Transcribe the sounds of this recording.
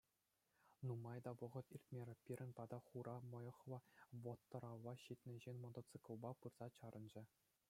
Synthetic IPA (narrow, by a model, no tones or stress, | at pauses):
numɑjd̪ɑʋɤ̆ʁɤ̆t̪irʲt̪ʲmʲeɾʲɘ̆pʲiɾʲɘ̆nʲpɑd̪ɑχuɾʔɑmɤ̆jɤ̆χlˠɤ̆ʋŏt̪ːɤ̆ɾɑʋːɑɕit̪ʲnʲɘ̆ʑenʲmŏt̪ŏt̪t͡sɨkŭlˠbɑpɯrz̥ɑt͡ɕɑɾɤ̆nd͡ʑɘ̆